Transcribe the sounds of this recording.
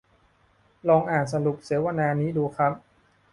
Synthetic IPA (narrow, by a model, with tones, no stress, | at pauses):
lɔː˧ŋʔaː˨˩nsa˧lu˨˩p̚si˩˦wa˧naː˧niː˦˥duː˧kʰɾa˦˥p̚